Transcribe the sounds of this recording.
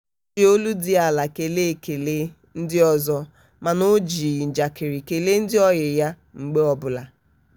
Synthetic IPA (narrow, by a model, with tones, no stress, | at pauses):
i˨o˦lu˦dɪ˦a˨la˨ke˨le˦˨ke˨le˦ | n̩˦dɪ˦ɔ˦zɔ˦ | ma˨nʊ˦d͡ʒi˨n̩˨d͡ʒa˨kɪ˨ɾi˨ke˨le˦n̩˦dɪ˦ɔ˦ɣɪ˨ja˦ | ŋ͡m̩˨ɡ͡be˦ɔ˦bʊ˨la˨